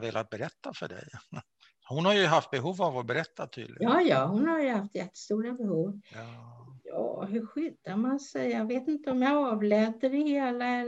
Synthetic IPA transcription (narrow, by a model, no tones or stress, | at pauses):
veːlʔat̪̚bɛɾɛt̪ːafœ̰ɖɛ̰j | hʊnhaɾjɵɦaft̪̚bɛɦuːvavɔbɛɾɛt̪ːat̪ʰy̰d̪lɪɡjɑːjɑːhʊnhaɾjɵhaft̪jɛt̪ːə̥st̪uːɾabɛhuːv | jɑ̰ːɦɵɾɧʏd̪aɾmansɛjjɑveːt̪ɪnt̪əɔmjɑɑːvlɛːt̪əɾɪheːlaɛ